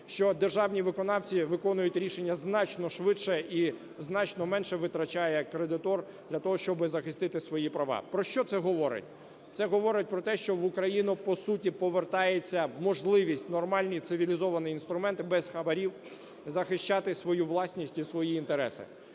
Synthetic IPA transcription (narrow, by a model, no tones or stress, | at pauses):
ʃt͡ʃɔd̪erʒɑwnʲiʋɪkɔnɑwt͡sʲiʋɪkɔnʊjʊtʲɾʲiʃenʲːɐznɑt͡ʃnɔʃʋɪʃɛʔi | znɑt͡ʃnɔmɛnʃɛʋɪt̪ɾɐt͡ʃajɛkɾed̪ɪt̪ɔr | d̪lʲɐt̪ɔɦɔʃt͡ʃɔbɪzɐxɪst̪ɪt̪ɪsʋɔjipɾɐʋɑ̰pɾɔʃt͡ʃɔt̪sɛɦɔʋɔɾɪ̰tʲ | t̪sɛɦɔʋɔɾɪt̚ʲpɾɔt̪ɛʃt͡ʃɔʋʊkɾɐjinʊpɔsutʲipɔʋert̪ɑjet͡sʲːɐmɔʒlˠɪʋʲisʲtʲnɔrmɑlʲnʲijt̪sɪʋʲilʲizɔʋɐnɪin̪st̪ɾʊmɛnt̪ɪbɛzxɐbɐɾʲiw | zɐxɪʃt͡ʃɑt̪ɪsʋɔjuʋlˠɑsʲnʲisʲtʲisʋɔjiːnt̪eɾɛsɪ̰